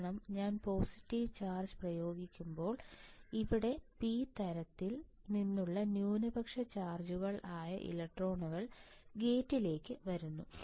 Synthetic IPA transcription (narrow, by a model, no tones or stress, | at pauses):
ɳɐmɲaːnpo̞ːsitːiʋt͡ɕaːrd͡ʑɨprɐjo̞ːɡikʲːumbo̞ːɭiʋiɽe̞piːt̪ɐɾɐt̪ːil | ninːuɭːɐnjuːnɨbɐkʂɐt͡ɕaːrd͡ʑuɣɐɭaːjɐ̰ʔḭlɐk̚ʈro̞ːɳuɣɐɭ | ɡe̞ːtːile̞ːkːɨʋɐɾunːu